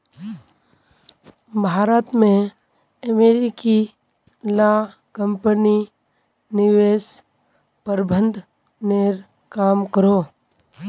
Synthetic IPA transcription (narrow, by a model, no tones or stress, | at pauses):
bʱaːɾət̪mẽ | əmeːɾiki | la | kə̃mpəni | nɪʋeːs | pəɾbʱə̃nd̪ʱ | neːɾ | kaːmkəɾoː